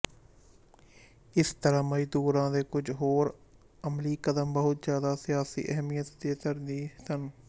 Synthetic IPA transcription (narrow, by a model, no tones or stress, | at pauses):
ɪst̪əɾaːməjd̪uːɾãːd̪eːkʊd͡ʒɦoːɾ | əmliːkəd̪əmbəɦʊt̪zjaːd̪aːsɪjaːsḭːʔɛɦmijət̪d̪eːt̪əɾd̪iːtən